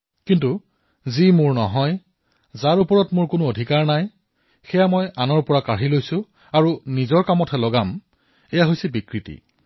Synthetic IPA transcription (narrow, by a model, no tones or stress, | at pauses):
kintu | zimʊɹnɔɦɔj | zaɹupɔɹɔtmʊɹkʊnʊodʱikaɹnaj | xɛjamɔjanɔɹpɔɹakaɹilojsʊ | aɹunizɔɹkamɔtʰɛlɔɡam | ɛjaɦojsɛbikɹitḭ